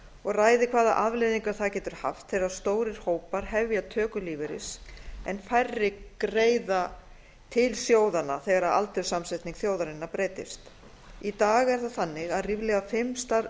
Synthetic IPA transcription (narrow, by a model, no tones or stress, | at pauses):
ɔɣraːjðɪkʰvaːða̰ʔavlejðiŋkaθacɛːt̪ʏɾ̥ha̰ft̪θeɾaðst̪oːwɾɪɾ̥hoːwpaɾ̥hɛvjat̪ʰœːkʏlivɪɾɪ̰sɛnfajrːɪkɾeːjða | t̪ʰɪlsjoːwðanaθɛɣaɾaða̰lt̪ʏɾsamsɛht̪niŋkθjoːwðaɾɪnːapɾeːt̪ɪ̰st̪ | it̪aːɣɛɾ̥θaðθanːɪɣaðrivlɛɣafɪmst̪aɾ